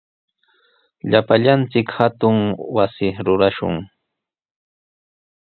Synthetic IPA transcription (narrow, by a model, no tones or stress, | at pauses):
ʎapaʎant͡sɪkhat̪ʊŋwasɪɾʊɾaʃʊ̰ŋ